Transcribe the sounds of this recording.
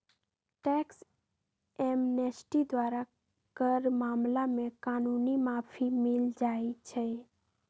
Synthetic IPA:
ʈɛks | emnesʈid̪ʋaɾa | kəɾmamlamẽkanunimapʰimɪld͡ʒajt͡ʃʰe

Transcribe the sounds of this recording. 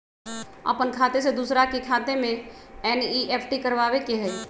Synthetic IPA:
ə̰pənkʰat̪es̬ed̪usɾakekʰat̪emẽɛniʔepʰʈikəɾbaβekeɦəj

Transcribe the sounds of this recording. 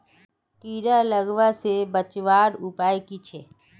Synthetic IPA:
kiːɾaləɡʋasebət͡ʃʋaːɾʊpaːjkit͡ʃʰeː

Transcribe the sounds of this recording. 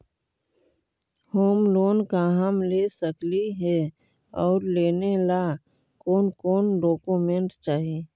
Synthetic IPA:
hoːmloːnkaɦəmleːsəkliɦɛ | ɔːɾleːnela | koːnkoːnɖoːkumẽɳʈt͡ʃaːɦi

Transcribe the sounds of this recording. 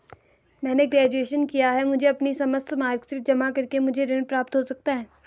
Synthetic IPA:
mɛ̃ːneɡɾɛːd͡ʒueːʃənkijaɦɛmʊd͡ʒʱeɐpnisɐməst̪ʰmaːɾɡsɪɾfd͡ʒɐmakɐɾkemʊd͡ʒʱeɾɪ̃ɽpɾaːp̚t̪ɦosɐk̚t̪aɦɛː

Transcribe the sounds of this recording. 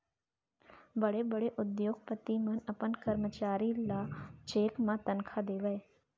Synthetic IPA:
bəɽebəɽeʔʊd̪joːɡpət̪imənəpənkəɾmət͡ʃaːɾilat͡ʃeːkmãt̪ənkʰad̪eːʋəe

